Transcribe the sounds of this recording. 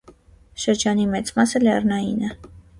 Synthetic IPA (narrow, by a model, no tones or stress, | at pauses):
ʃəɾd͡ʒɑnimɛt͡smɑsəlɛrnɑjinɛ